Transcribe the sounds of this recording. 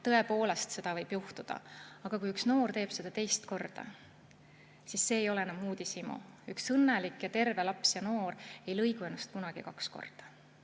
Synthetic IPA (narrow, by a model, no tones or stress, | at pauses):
t̪ɤ̞e̞po̞ːle̞st̪se̞d̪̥ɑvɤjb̥juht̪ud̪̥ɑ̰ɑɡ̥ɑkujyksno̞ːrt̪e̞ːb̥se̞d̪̥ɑt̪e̞jst̪ko̞rd̪̥ɑ̰ | sisːe̞ːjo̞le̞enɑmuːd̪̥isimṵ | yksɤnːelikːjɑt̪e̞rve̞lɑpsjɑno̞ːɾe̞jlɤjɡ̥ue̞nːɑst̪̚kunɑɡ̥ikɑksko̞̰rd̪̥ɑ̥